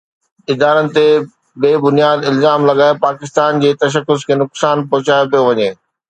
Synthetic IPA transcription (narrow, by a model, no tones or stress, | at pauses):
ɪd̪aːɾənɪ̆t̪e | beːbʊnijaːd̪ɪlzaːmlɐɠaːepaːkɪs̬t̪aːnd͡ʑeːt̪ɐʃ̬əkːʊskʰeːnʊksaːnp̬ɐɦʊt͡ɕaːjopijoʋɐɲeː